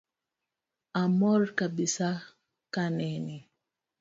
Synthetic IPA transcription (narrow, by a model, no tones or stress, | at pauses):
amɔɾkabisa | kanɛni